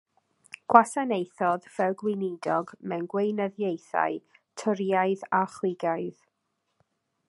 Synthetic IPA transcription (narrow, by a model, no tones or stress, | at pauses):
ɡ̥wasanejθɔðv̥ɛlˠɡwɪnɪdɔɡmɛnɡwejnəðjejθa̰ɨ | tʰʊɾjaɨðaχlˠɪɡaɨð